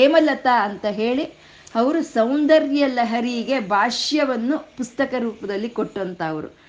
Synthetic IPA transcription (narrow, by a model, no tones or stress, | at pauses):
eːmɐlɐt̪aɐnt̪ɐɦe̞ːɭi | ɐʋɐɾusɐwnd̪ɐɾjɐlɐɦɐɾiɡe̞bʱaːʂjɐʋɐnːupust̪ɐkɐɾuːpɐd̪ɐlːikoʈːɐnt̪ɐːʋɐɾṵ